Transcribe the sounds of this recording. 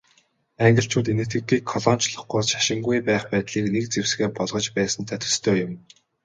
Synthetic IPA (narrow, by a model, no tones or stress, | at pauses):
æŋɡʲɪ̆ɬt͡ɕʰuːt̪enɘ̆t̪ɡɘ̆ɡiːkʰːɔɮɔːn̥t͡ɕɮɞ̆χɡʊːsʃḁʃɪ̆ŋɡujpæːχpæːt̪ɮiːknek̚t͡sewsɡeːpɔɮʁɞ̆t͡ɕpæːsə̆nt̪ʰat̪ʰɵ̥̆st̪ʰœːjʊm